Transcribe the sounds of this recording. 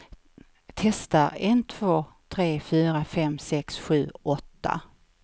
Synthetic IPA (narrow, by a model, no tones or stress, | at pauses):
t̪ʰɛst̪aɾɛnt̪ʰv̥oːt̪ʰɾeːfyːɾafɛmsɛksɧʉ̟ːɔt̪ːa̰